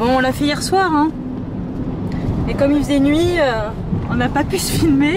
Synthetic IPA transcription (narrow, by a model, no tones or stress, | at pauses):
bɔ̃ɔ̃lafɛijɛʁswaːʁɛ̃ | mɛkɔmifəzɛnɥiø | ɔ̃napapysə̥filme